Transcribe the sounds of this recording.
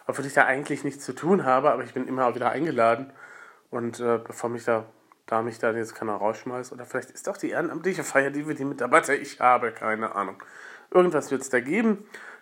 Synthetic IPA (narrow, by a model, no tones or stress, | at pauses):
ʔɔpv̥oːlɪçd̥aːʔaɪɡŋ̩tʰlɪçnɪçt͡st͡sutʰuːnɦaːbəʔaːbɐɪçb̥ɪnʔɪmɐv̥iːdɐʔa̰ɪnɡəlaːdn̩ | ʔʊntʔɛːbəfoːɐmɪçd̥aː | d̥aːmɪçd̥anjɛt͡stkʰaɪnaʁaʊsʃmaɪsʔoːdɐfɪlaɪçtɪ̥stɔaxd̥iːʔeːʁənʔamtlɪçəfaɪɐdiːviːɐdiːmɪtabatʰəʔɪçhaːbəkʰaɪnəʔa̰ːnʊŋʔɪɐɡŋ̩tv̥asv̥ɪɐtə̥sd̥aːɡeːbm̩